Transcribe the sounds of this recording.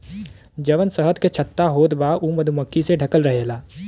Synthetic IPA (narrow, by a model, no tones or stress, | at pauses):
d͡ʒɐʋənsəɦət̪ket͡ʃʰɐt̪ːaɦoːd̪baʔuːməd̪ʱuməkːiseɖʱɐkəlɾɐɦeːlaː